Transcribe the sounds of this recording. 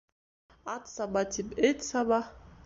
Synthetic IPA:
at̪sabatʰibet̪ʲsaba

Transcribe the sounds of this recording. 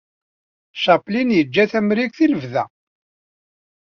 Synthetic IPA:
ʃɑplinjəd͡ʒːæθæmɾikθiləvðæ

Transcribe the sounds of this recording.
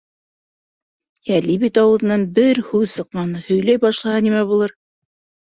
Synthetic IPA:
ælibit̪ɑwɤ̆ð̆nɑnbɘɾhʉwsɤ̆qːɑnhɵ̆jlæjbɑʃlˠɑhɑnimæβulˠɤɾ

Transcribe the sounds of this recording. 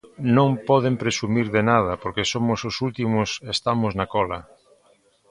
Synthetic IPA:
nõŋpɔð̞empɾesumiɾðenað̞ɐpoɾkesomʊsʊsult̪imʊsest̪amʊznakɔlɐ

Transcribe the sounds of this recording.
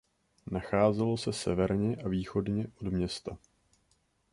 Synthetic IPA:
naxaːzɛlo̞sɛsɛvɛɾɲɛʔaviːxo̞dɲɛʔodmɲɛst̪a

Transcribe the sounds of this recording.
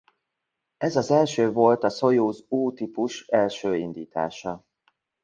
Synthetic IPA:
ɛzɒzɛlʃøːvo̞lt̪ɒso̞juːzuːt̪ipuʃɛlʃøːind̪iːt̪a̰ːʃɒ

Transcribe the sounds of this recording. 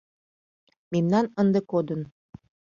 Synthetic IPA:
mimnɑnɤnd̪ɤ̆kod̪ə̆n

